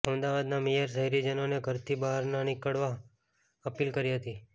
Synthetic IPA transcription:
əmd̪aʋad̪namijəɾsəɦiɾid͡ʒənoneɡʱəɾt̪ʰibaɦəɾnanɪkəɽʋa | əpilkəɾiɦət̪i

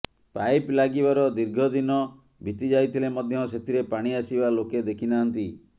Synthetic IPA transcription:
pajplaɡibaɾɔd̪iɾɡʱɔd̪inɔ | bʱit̪id͡ʒajt̪ʰilemɔd̪ʱjɔs̬et̪ʰiɾepaɽ̃iasibaloked̪ekʰinaɦɔnt̪i

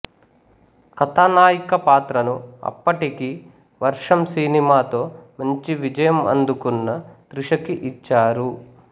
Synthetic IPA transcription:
kɐt̪anaːjikɐpaːt̪ɾɐnuɐ̰pːɐʈiki | ʋɐɾʂɐmsiːnimaːt̪o̞ːmɐɲt͡ʃiʋid͡ʒɐjɐmɐ̰nd̪ukunːɐt̪ɾuʂɐkiʔit͡ʃːaːɾu

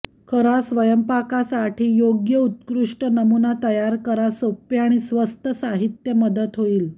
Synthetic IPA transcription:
kʰəɾasʋəjəmpakasaʈiːjoɡjəut̪kɾuʂʈənəmunat̪əjaɾkəɾasopjaɽ̃isʋəst̪ʰəsaɦit̪jəməd̪ət̪ɦoiːl

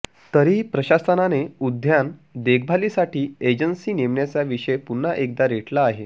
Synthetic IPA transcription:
t̪əɾiːpɾəɕasənaneud̪ʱjand̪ek̚ʰbʱaliːsaʈiːed͡ʑənsiːneʋɳjat͡saʋiʂəjepun̤ːaʔek̚d̪aɾeʈʰlaːɦe

